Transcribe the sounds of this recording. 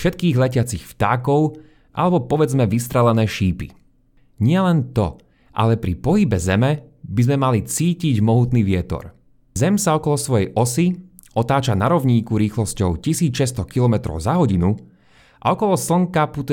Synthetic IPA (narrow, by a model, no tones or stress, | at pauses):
fʃɛt̪kiːɣlɛcɪat͡sixft̪aːkɔʊ | ʔa̰lɛbɔpɔʋɛd͡zmɛʋist̪ɾɛlɛnɛːʃiːpḭ | ɲɪɛlɛnt̪ɔ̰ | ʔa̰lɛpɾipɔɦibɛzɛmɛbizmɛmalit͡siːciɟmɔɦut̪niːʋɪɛt̪ɔ̰ɾ | zɛmsaɔkɔlɔsʋɔjɛjʔɔsi | ʔɔt̪aːt͡ʃanaɾɔʊɲiːkuɾiːxlɔscɔʊcisiːt͡sʃɛst̪ɔkilɔmɛt̪ɾɔ̰ʊzaɦɔɟinu | ʔa̰ɔkɔlɔsl̩ŋkaput̪